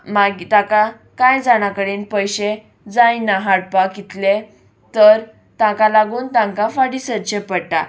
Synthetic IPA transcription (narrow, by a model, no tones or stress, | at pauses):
maɡit̪ãka | kãjd͡zaɽ̃akəɽiːnpəjɕe | d͡zãjnaɦaɽpakit̪le | t̪əɾ | t̪ãkalaɡuːnt̪ãŋkafaɽisəɾt͡ɕepəɽʈa